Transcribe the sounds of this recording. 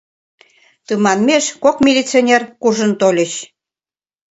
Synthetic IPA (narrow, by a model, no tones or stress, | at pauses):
t̪əmɑnmeʃkokmʲilʲit͡sionʲerkuʒə̆nt̪olʲə̆ɕ